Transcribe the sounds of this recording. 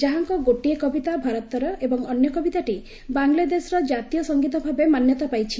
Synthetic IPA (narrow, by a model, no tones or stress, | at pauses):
d͡ʒaɦaŋkɔɡoʈiekɔbit̪abʱaɾɔt̪ɔɾɔʔebɔŋɔnjɔkɔbit̪aʈi | baŋlad̪esɔɾɔd͡ʒat̪ijɔsɔŋɡit̪ɔbʱabemanjɔt̪ɔpajt͡ʃʰi